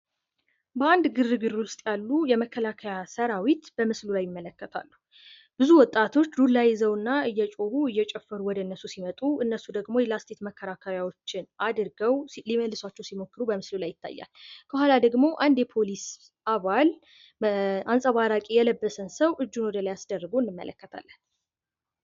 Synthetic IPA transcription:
bəand̪ɡɨrːɨɡɨruɨst̪ʼjalːujɛməkʰːəlakʰəjasəɾawit̪b̥əmɨslulajːɪmːələkːət̪ʰa̰lːu | b̥ɨzuwɔt̪ʼːat̪ʰo̞t͡ʃːdulːajɪzəwɨnːaɨjːɛt͡ʃʼo̞βuɨjːɛt͡ʃʼɛfːəɾuwɔd̪əɨnːəsusimət̪ʼuɨnːəsːud̪əɡmo̞jɛlast̪ʰe̞t̪məkʰːəɾakʰəɾjawo̞t͡ʃːɪnad̪ɨɾɡəwliməlːɨswat͡ʃːɛwsimo̞kːɨɾubəmɨslulajːɪt̪ʰːa̰jːa̰lkʰəɦalad̪əɡmo̞ʔand̪jɛpʰo̞lis | ʔaβal | ʔansʼəβaɾakʼijɛləbːəsənsəwʔɨd͡ʒːunwɔd̪əlajasd̪ərːəɡowɨnːɨmːə̰lə̰kːət̪ʰa̰lːən

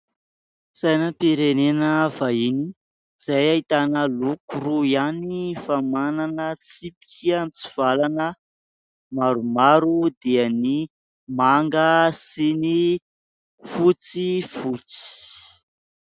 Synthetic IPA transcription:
sajnəpiɾenenəvaini | z̥ajait̪anəlukuruianifamananət͡sipi̥kiamit͡si̥v̥alanə | maɾumaɾud̪eani | maŋɡəsini | fut͡sifut͡si̥

